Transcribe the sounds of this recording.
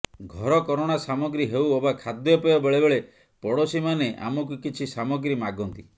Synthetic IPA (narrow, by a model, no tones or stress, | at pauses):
ɡʱɔɾɔkɔɾoɽ̃asamɔɡɾiɦewobakʰad̪jɔpejɔbeɭebeɭe | pɔɽosimaneʔa̰mɔk̬ukit͡ʃʰisamɔɡɾimaɡɔnt̪i